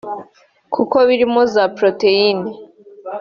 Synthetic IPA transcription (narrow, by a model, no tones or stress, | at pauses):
kʰukoβiɾimozapɾoteine